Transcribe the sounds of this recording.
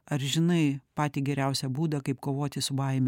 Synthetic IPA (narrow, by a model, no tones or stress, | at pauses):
ɐɾʒʲɪnɐɪpɑːt̪ʲiːɡʲɛɾʲæʊsʲɛbuːd̪ɐkɐɪp̚koːʋoːt̪ʲɪsʊbɐɪmʲ